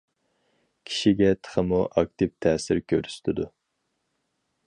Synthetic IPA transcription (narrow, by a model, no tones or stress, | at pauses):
kʲʰi̥ʃiɡʲɛt̪ʰə̥χəmuʔɑk̚t̪ʰɪp̚t̪ʰɛːsɪɾkʲʰøɾyst̪ʰɪd̪u